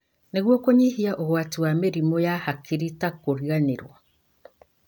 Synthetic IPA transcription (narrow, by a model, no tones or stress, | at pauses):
neɣwɔkoɲihiaʔoɣwatiwameɾimojahakiɾitakoɾianeɾwa̰